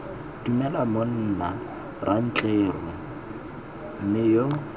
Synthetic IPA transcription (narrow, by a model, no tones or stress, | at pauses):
dumɛlamon̩ːna | ran̩t͡ɬʼeːrɔ | m̩mɪjo